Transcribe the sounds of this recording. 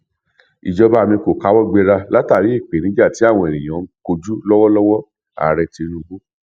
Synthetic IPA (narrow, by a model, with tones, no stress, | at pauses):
ḭ˨d͡ʒɔ˧ba˦˧˨mĩ˧ko˨ka˨˦wɔ˦ɡ͡be˧ɾa˧la˦ta˦˨ɾi˨˦i˦˨k͡pe˨nĩ˨˦ɡ͡ba˦˨ti˨˦a˦˨w̃ɔ̃˧e˨ɾẽ˨j̃ɔ̃˨˦ko˧d͡ʒu˦lɔ˦wɔ˦lɔ˦wɔ˦ | a̰˨ɾɛ˧ti˧ɾ̃ũ˧bo˦